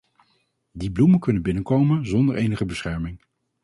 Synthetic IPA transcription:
dibluməkɵnənbɪnəkowmənzɔndəɹʔejnəχəbəsχɛɹmɪŋ

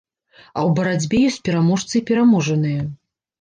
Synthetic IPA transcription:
ɐwbɐɾad͡zʲbʲɛjɔsʲt͡sʲpʲɛɾamɔʂt̪sɨipʲɛɾamɔʐɐnɨjɐ

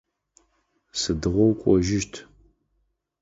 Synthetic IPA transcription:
sɨdɨʁʷɔwkʷʼɔʒɪʃtʰ

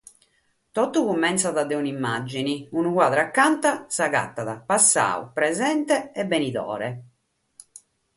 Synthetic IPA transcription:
t̪ɔt̪ːuɣumːɛnt̪saðad̪ɛunimːad͡ʒːiniunukwaːðɾakːant̪asaɣa̰t̪ːaðapasːa̰ːṵpɾɛzɛnt̪ɛɛbːɛniðɔ̰ːɾɛ

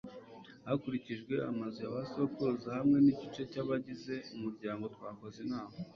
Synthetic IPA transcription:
hakuɾiciʒɡwe̞amazujaβaso̞kuzahamŋe̞niɟit͡ʃe̞caβaɟize̞umuɾɟaːŋɡo̞twaːko̞zenaːβo

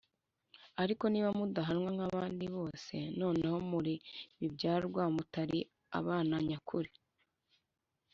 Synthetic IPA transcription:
aɾiko̞niːβamudaɦanŋwaŋ̥haβaːndiβo̞ːse̞no̞ːne̞ho̞muɾiβibɟaːɾɾɡwamutaɾi | a̰βaːnaɲakʰuɾe

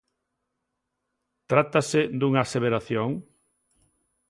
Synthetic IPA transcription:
t̪ɾat̪ased̪uŋaːseβeɾaθjoŋ

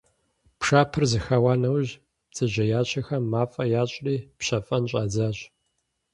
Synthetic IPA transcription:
pʂaːpʰɨrzɨxawaːnɐwʑ | t͡sʼɨʑɐjaːɕʰɐxɐmːaːfʼɐjaːɕʼriːpɕɐfʼɐnɕʼaːd͡zaːɕʼ

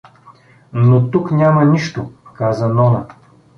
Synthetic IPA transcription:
not̪uknʲamɐniʃt̪okazənɔnə

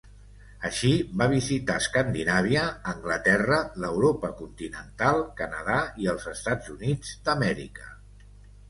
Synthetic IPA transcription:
əʃiβaβizit̪aəskənd̪inaβ̞iəːŋɡlət̪ɛrələwɾopəkunt̪inənt̪alˠkənəðaiəlˠzəst̪ad͡zunid͡zd̪əmɛɾḭkə

